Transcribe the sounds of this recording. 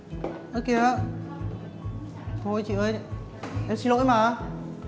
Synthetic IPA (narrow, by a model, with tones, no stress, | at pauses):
ʔo˨˧˦ke˧ʔa˧ | t̪ʰo˧˩jt͡ɕḭ˧˨ʔəː˧j | ʔɛ˧msi˧lo̰˧˥˦jmaː˨˩˧